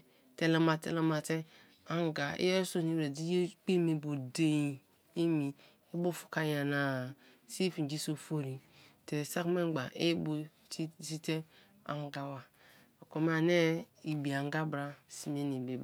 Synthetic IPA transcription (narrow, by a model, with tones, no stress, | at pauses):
te˦la˦ma˨tḛ˦la˦ma˨te˦ | a˦ŋ˦ɡa˨ḭ˦o˦so˦ni˦be˨di˦jk͡pi˦me˨bu˨de˦ji˦ | i˦mi˨ | i˦bu˦fu̥˨ka˦ja˨na˨ | si˦fi˨d͡ʒi˦so˨fo˦ɾi˨ | te˨sa˦kme˦ɡ͡ba˨ʔe˦bu˦ | si˦te˦ | a̰˨ŋ˦ɡa˨wa˨ | o˨ko˨m˦a˨ne˦i˨bi˨a˨ŋ˦ɡa˦bɾa˦si˦me˦ni˨be˨b